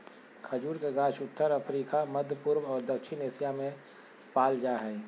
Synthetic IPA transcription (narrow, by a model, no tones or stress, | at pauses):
kʰəd͡ʒuːɾkeɡaːʃʊt̪ːəɾɐfʰɾiːkamɐd̪ʱəpʊɾʋɔːɾd̪ɐkʃʰɪneːsɪjamẽ | paːld͡ʒaːɦɛː